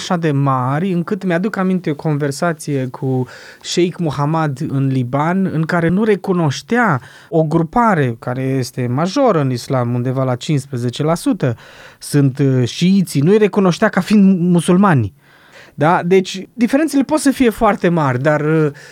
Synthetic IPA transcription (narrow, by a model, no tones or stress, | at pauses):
ʃad̪e̞maɾʲɨŋkɨt̪mead̪ukamint̪e̞o̞kʰo̞nve̞rsat̪sije̞kʰu | ʃejkmuɦamad̪ɨnlibanɨŋkaɾe̞nuɾe̞kuno̞ʃt̪ea | o̞ɡɾupaɾe̞kaɾe̞je̞st̪e̞maʒo̞ɾəɨnislamund̪e̞valat͡ʃinspɾeze̞t͡ʃe̞lasut̪əsɨnt̪ʃiit̪sinujre̞kuno̞ʃt̪eakafind̪musulmanʲ | d̪ad̪e̞t͡ʃʲd̪ifeɾent̪sele̞po̞t̪səfije̞foart̪e̞marʲd̪arə